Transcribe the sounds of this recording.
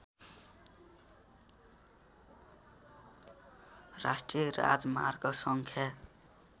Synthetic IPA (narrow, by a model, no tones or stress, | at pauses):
rasʈrijʌra̰d͡zma̰rɡʌsʌŋkʰja